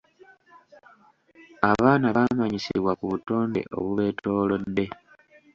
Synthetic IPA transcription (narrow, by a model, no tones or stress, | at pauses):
aβaːnaβamaɲisḭβwakuβuto̞ːnde̞̰ʔo̞̰βuβe̞ːtʰo̞ːlo̞dːe̞